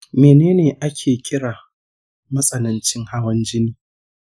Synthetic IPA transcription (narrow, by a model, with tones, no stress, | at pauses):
meː˨neː˦neː˨ʔa˦kʲʰeː˨kʲʼɪ˦ɽaː˨ | mɐ˦sʼɐ˨nɐ˨nt͡ʃɪ˦ŋha˦wɐ˦nd͡ʒɪ˦niː˦